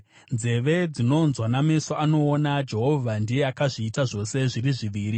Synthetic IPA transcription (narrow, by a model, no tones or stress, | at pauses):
nze̞ʋe̞d͡zino̞nzwanamesoano̞ːnad͡ʒe̞ɦo̞vʱandijeakaʐiːtaʐo̞se̞ʐiriʐiʋiːɾi